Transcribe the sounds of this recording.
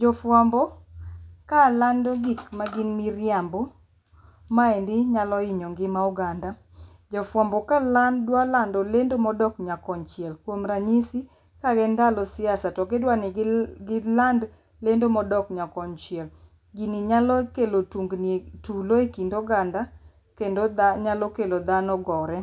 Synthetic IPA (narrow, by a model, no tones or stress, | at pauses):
d͡ʒɔfwambɔ | kalandɔɡikmaɡɪnmiɾjambɔ | maɛndɪɲalɔɪɲoŋɡɪmauɡanda | d͡ʒɔfwambɔkalandwalandɔlendomɔdɔkɲakɔnt͡ʃɪɛlkwomɾaɲisi | kaɡɛndalɔsɪasatɔkedwanɪɡɪland | lendomɔdɔkɲakɔnt͡ʃjɛl | ɡiniɲalɔkelotuŋɡnituloekindoɡanda | kendoaɲalɔkelod̪anɔɡɔɾɛ